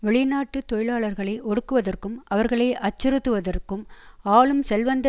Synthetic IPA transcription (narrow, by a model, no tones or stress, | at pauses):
ʋɛɭɪnaːʈːɯt̪ɔjɪɭaːɭɐɾɣɐɭɐɪʔɔɽɯkːɯʋɐðɐrkɯmɐʋɐɾɣɐɭɐɪʔɐt͡ʃːɐɾɯt̪ːɯʋɐðɐrkɯmaːɭɯmsɛlʋɐnd̪ɐ